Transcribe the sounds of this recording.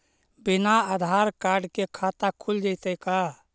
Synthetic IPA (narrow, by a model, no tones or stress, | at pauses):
binaad̪ʱaɾkaɖkekʰat̪akʰuld͡ʒəɪt̪əjka